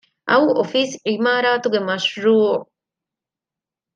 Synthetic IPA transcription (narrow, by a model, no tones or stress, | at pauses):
ʔɐwofiːsʔimaːɾaːt̪uɡemɐʃɾuː